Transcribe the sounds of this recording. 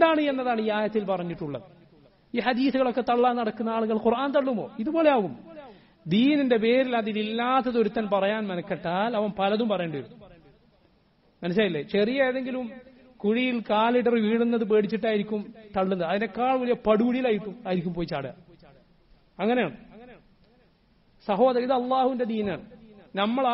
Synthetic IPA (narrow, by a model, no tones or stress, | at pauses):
ed̪aːɳɨe̞nːɐðaːɳɨiaːjɐt̪ːilpɐrɐɲːiʈːuɭːɐðɨ | iːħɐd̪iːθuɣɐɭo̞kːe̞t̪ɐɭːaːnːɐɽɐkːunːɐaːɭuɣɐɭqurʔaːnt̪ɐɭːumo̞ːiðubo̞ːle̞aːʋum | d̪iːninde̞pe̞ːɾilɐðililːaːt̪ːɐðo̞ɾut̪ːɐnpɐrɐjaːnmɐnɐkːeʈːaːlɐʋɐmpɐlɐðumpɐrɐjuɳɖujɾunːu | mɐnɐɕ̬aːjilːet͡ɕerijɐeðe̞ŋɡilum | kuɻijilkaːliɽɐrɨʋiːɽunːɐðɨp̬e̞ːɽit͡ɕːiʈːaːjiɾikʲːumt̪ɐɭːunːɐðɨɐðinde̞kːaːɭʋɐlijɐpɐɽuɡuɽijilaːjiʈːumaːjiɾikʲːumpoːjit͡ɕaːɽɨ | ɐŋːɐnejaːɳɨ | sɐɦo̞ːðɐriðɨɐlˠˤːaːhuʋinde̞d̪iːnaːɳɨnɐmːɐɭ